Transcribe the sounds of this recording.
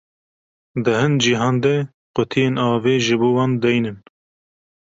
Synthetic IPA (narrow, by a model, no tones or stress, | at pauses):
d̪ɨhɨnd͡ʒiɦɑːnd̪ɛ | qʊt̪ʰijeːnɑːveːʒɨboːwɑːnd̪ɛjnɨn